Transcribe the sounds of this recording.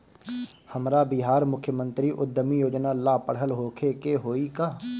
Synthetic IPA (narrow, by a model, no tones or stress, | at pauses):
həmɾabɪɦaːɾmʊkʰːjəmə̃nt̪ɾiʔʊd̪ːəmijoːd͡ʒnalaːpəɽ̤ɦəlɦoːkʰekeɦoːikaː